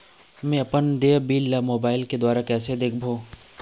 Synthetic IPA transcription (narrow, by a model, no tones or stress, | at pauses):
mẽɐpənd̪eːbiːlːamoːbaːɪlked̪waːɾakɛːsed̪eːk̚ʰbʱoː